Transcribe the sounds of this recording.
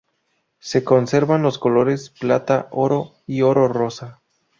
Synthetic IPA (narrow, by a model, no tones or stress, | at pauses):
se̞ko̞nse̞ɾβanlo̞sko̞lo̞ɾe̞splat̪aʔo̞ɾo̞ | io̞ɾo̞ro̞sa